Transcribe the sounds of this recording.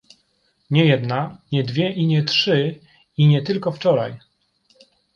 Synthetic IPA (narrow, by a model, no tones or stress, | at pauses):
ɲɛjɛd̪naɲɛd̪vʲjɛʔiɲɛtʂɘ | iɲɛt̪ɘlkɔft͡ʂɔɾa̰j